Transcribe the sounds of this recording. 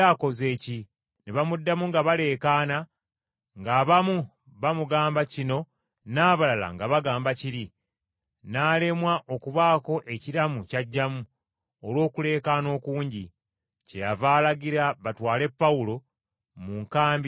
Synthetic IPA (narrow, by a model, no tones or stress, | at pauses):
ako̞ze̞ːci | neβamudːamuŋɡaβale̞ːkaːna | ŋɡaːβamu | βamuɡaːmbacino̞ | naːβalala̰ŋɡaβaɡaːmbaciɾi | naːle̞mwaʔo̞kuβaːko̞ʔe̞ciɾamucaɟːamu | olwo̞ːkule̞ːkaːno̞ːkuːɲɟi | ce̞javaːlaɡiɾaβatwaːle̞pːawulo̞ | muŋkaːmbi